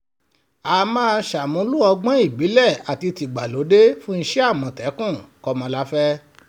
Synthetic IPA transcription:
aː˨mãː˦˧ʃa˨mũ˨˦lu˦ɔ˧ɡ͡bɔ̃˦i˦˨bi˨˦lɛ˦˨a˨ti˧ti˨ɡ͡ba˨lo˨˦de˦fũ˦n̩˧ʃɛ˦a˦˨mɔ̃˨tɛ˨˦kũ˦˨kɔ˧mɔ̃˧la˦fɛ˦

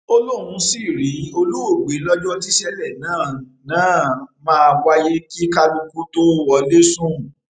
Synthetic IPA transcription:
o˦lo˦˨ɾũ˧si˦˨ɾi˨˦o˧lu˦wo˦˨ɡ͡be˨˦lɔ˦d͡ʒɔ˦ti˦ʃɛ˦lɛ˦˨nãː˦˨ | nãː˦˨mãː˦˧wa˧je˦ki˦ka˦lu˧ku˦to˦ɔ˧le˦sũ˦˨

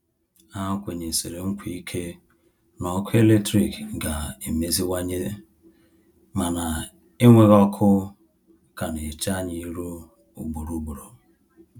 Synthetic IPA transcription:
a˦kʷe˨ɲe˨se˨ɾe˨ŋ̩˦kʷi˦i˦kʰe˦ | nɔ˨˦kʰʊ˦e˦le˦tɾi˨kɡa˨e˨me˦zi˦wa˦ɲe˦ | ma˨na˨ | e˦ŋʷe˦ɣɔ˦kʰʊ˦ | ka˨ne˨t͡ʃa˦ɲi˦ɾu˦ | u˨ɡ͡bu˨ɾu˨˦bu˨ɾo˨

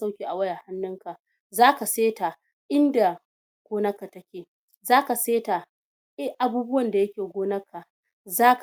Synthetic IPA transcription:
sa˦wkʲiː˨ʔa˨wɐ˦ja˨ha˦nːʊ˦ŋka˨ | zaː˦ka˨seː˦ta˨ | ʔɪ˦nda˨ | ɡ̥ʷoː˦nɐ˦kːa˨tɐ˦kʲeː˨ | zaː˦ka˨seː˦ta˨ | ʔɛ˦hʔa˨buː˦bʊ˦wɐ˨nda˨jɐ˦kʲeː˨ɡʷoː˦nɐ˦kʰːa˨ | zaː˦k

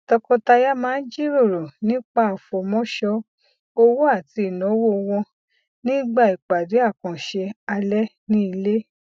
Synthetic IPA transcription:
tɔ˧kɔ̃˧ta˧ja˦mãː˦n̩˦d͡ʒi˦ɾo˦˨ɾo˨nĩ˦k͡pa˦˨fo˨mɔ̃˦ʃɔ˧ | o˧wo˦a˦˨ti˧i˨nɔ̃˨˦wo˦˧wɔ̃˧ | nĩ˦ɡ͡ba˦˨i˨k͡pa˨de˨˦a˦˨kɔ̃˨ʃe˧a˧lɛ˦nĩ˦i˧le˦

